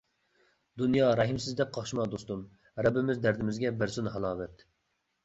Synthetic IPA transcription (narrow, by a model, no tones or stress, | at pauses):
d̪unjɑɾɛɦimsɪzd̪ɛp̚qʰɑχʃimɑd̪ost̪um | ɾɛbːɪmɪzd̪æɾd̪ɪmɪzɡʲɛbɪɾsunɦɑlˠɑːvɛt̪